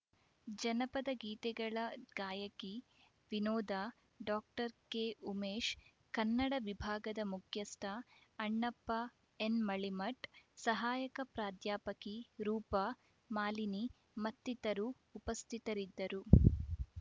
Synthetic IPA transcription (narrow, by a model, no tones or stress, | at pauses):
d͡ʒɐnɐpɐd̪ɐɡiːt̪ɛɡɐɭɐɡaːjɐki | ʋinɔːd̪aː | ɖaːk̚ʈɐɾkeumeːʃ | kɐnːɐɽɐʋibʱaːɡɐd̪ɐmukʰjɐst̪ʰɐɐɳːɐpːɐ | enmɐɭimɐʈsɐɦaːjɐkɐpɾaːd̪jaːpɐkiɾuːpɐ | maːlini | mɐt̪ːit̪ɐɾuː | pɐst̪ʰit̪ɐɾid̪ːɐɾu